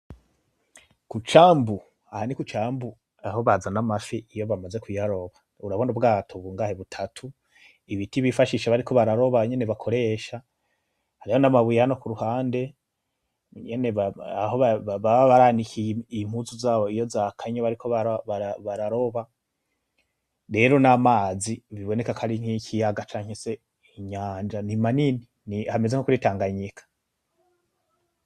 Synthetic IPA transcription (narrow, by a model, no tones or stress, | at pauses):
kut͡ʃaːmbu | ahanikut͡ʃaːmbu | aho̞βazanamafiʔijo̞βamaze̞kuaɾo̞βa | uɾaβo̞nubɡaːtʰoβuːŋɡaːheβutʰatʰu | iβitiβifaʃiːʃaβaɾiko̞βaɾaɾo̞βaɲe̞ne̞βakʰo̞ɾe̞ːʃa | haɾihonamaβujehano̞kuɾuhaːnde̞ | ɲe̞ne̞βaaɦo̞βaββaβaɾaːnikiim̥huzuzaːβo̞ijo̞zakʰaɲaβaɾikʰo̞βaɾβaaβaɾaɾo̞βa | ɾe̞ɾo̞namaːziβiβo̞ne̞kakʰaɾiŋ̥hikʰijaɡat͡ʃaːɲ̥hese̞ | iɲaːnd͡ʒanimanini | nihame̞zeŋokuɾitaːŋɡaɲikʰḁ